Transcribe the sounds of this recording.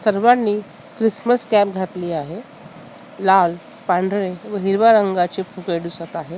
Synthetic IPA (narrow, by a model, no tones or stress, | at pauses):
səɾʋanːiː | kɾisməskɛ̃pɡʱat̪liːaɦe | lal | pãɳɖʱɾeʋəɦiɾʋaɾəŋɡat͡ɕepʰukeɖusət̪aɦe